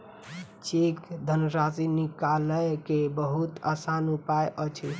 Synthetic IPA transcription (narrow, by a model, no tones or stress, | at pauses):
t͡ʃekd̪ʱənɾasinikaləjkebəɦut̪əsanupajʔət͡ʃʰi